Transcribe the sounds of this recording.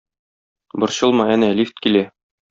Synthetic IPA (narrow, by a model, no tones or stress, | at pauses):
bŏɾɕɤ̆lˠmɑænælift̪̚kilæ